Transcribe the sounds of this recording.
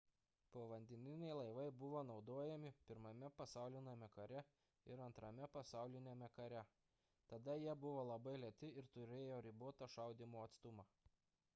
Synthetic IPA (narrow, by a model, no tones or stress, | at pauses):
poːʋɐnʲd̪ʲɛnʲɪnʲɛɪlˠɐɪʋɐɪbʊʋoːnɒʊd̪oːjɛmʲɪpʲɪɾmɐmʲɛpɐsɑˑʊlʲɪnɐmʲɛkɐɾʲɛ | ɪɾɐnt̪ɾɐmʲɛpɐsɑˑʊlʲɪnʲemʲɛkɐɾʲɛ | t̪ɐd̪ɐjiɛbʊʋoːlˠɐbɐɪlʲɛt̪ʲɪɪɾt̪ʊɾʲeːjoːɾʲiboːt̪ɐʃɐˑʊd̪ʲimoːɐt̪st̪ʊmɑː